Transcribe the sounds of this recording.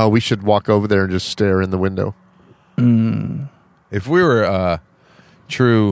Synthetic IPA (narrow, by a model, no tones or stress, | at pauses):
oʊwiʃɨd̚wɔkoʊvə˞ðə˞ɨ̃nd͡ʒʌststɛɹɨ̃nðəwɪ̃ndo̰ʊ | m̩ | ɨfwiwə˞ʌ | tʰɹ̥ʉ